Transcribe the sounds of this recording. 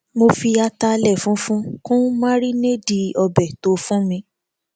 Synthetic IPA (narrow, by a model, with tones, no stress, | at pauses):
mo˧fi˧a˧ta˧lɛ˦˨fũ˨˦fũ˦kũ˦mã˦ɾi˦ne˦di˧ɔ˧bɛ˨to˨˦fũ˦mĩ˧